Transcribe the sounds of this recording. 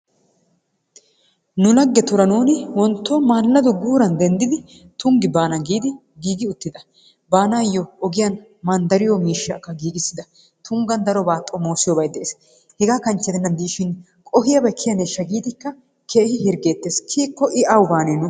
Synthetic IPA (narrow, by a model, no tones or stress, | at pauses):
nʊlɐɡːɛt̪ʊɾɐnoːnɪwɔnt̪ːoːmaːlːɐd̪ʊɡuːɾɐnd̪ɛnd̪ɪd̪ɪ | t̪ʊŋɡɪbaːnɐɡiːd̪ɪ | ɡiːɡɪʊt̪ːɪd̪ɐ | baːnaːjːɔɔɡɪjɐn | mɐnd̪ɐɾɪjomiːʃːɐkːɐɡiːɡɪsːɪd̪ɐ | t̪ʰʊŋɡɐnd̪ɐɾɔbaːt̪ʼːɔmo̞ːsɪjɔbɐjd̪ɛʔeːs | hɛɡaːkɐnt͡ʃːɛd̪ɛnːɐnd̪iːʃɪn | kʼɔɦɪjɐbɐkʰːɪjɐneʃːɐɡiːd̪ɪkːɐ | kʰeːhɪhɪɾɡeːt̪ːeːskʰiːkːɔʔɪʔɐwʊbaːneːnʊ